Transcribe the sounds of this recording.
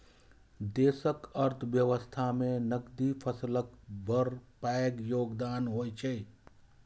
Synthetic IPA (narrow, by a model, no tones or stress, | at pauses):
d̪eːsəkəɾt̪ʰʋjəʋəst̪ʰamẽnəɡd̪ipʰəsləkbəɾpaekjoːɡd̪aːnɦoːjt͡ʃʰɛ